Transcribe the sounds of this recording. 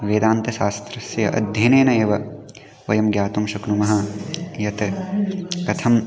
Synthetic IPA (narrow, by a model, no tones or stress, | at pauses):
ʋeːd̪aːnt̪ɐʃaːst̪ɾɐsjɐ̰ʔɐ̰d̪ʱjɐːneːnɐeːʋɐ | ʋɐjɐmɡjaːt̪umʃɐknumɐɦɐjɐt̪ɐ | kɐt̪ʰɐm